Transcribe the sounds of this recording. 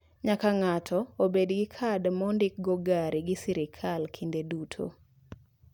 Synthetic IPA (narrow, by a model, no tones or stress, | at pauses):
ɲakaŋatʰɔobedɡɪkʰadmɔndɪk̚ɡoɡaɾiɡɪsiɾɪkʰalkʰindedutʰo̰